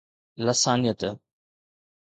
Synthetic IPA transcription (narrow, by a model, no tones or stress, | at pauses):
lɐsaːnijət̪